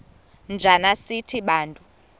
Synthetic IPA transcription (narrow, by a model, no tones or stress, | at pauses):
nd͡ʒʱanasitʰiɓaːntʼu